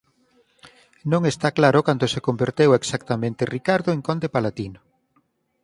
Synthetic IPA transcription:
nõŋest̪aklaɾokant̪osekombeɾt̪eweksakt̪amẽnt̪erikaɾðoeŋkond̪epalat̪ino

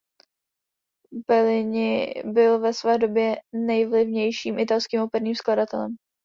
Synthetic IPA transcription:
bɛlɪɲɪbɪlvɛsvɛːdo̞bjɛnɛjvlɪvɲɛjʃiːmʔɪt̪alskiːmopɛɾniːmskladat̪ɛlɛm

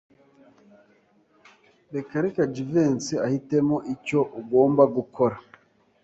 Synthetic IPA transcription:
bekaɾikad͡ʒiveːnsiahite̞moʔico̞ʔuɡo̞ːmbaɡukʰo̞ɾa

